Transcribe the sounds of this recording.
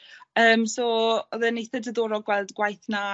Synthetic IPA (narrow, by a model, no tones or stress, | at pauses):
əːmsoːɔðɛnejθɛdəðoːɾɔɡwɛlˠdɡwajθna